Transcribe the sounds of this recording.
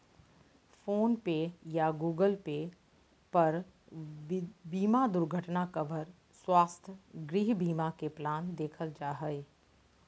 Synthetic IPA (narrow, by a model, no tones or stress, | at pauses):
foːnpejaɡuːɡəlpe | pɐɾ | biːmad̪ʊɾɡʱəʈnakɐʋəɾ | swaːst̪ʰɡɾiɦbʱiːmakeplaːnd̪eːkʰəld͡ʒaːɦəe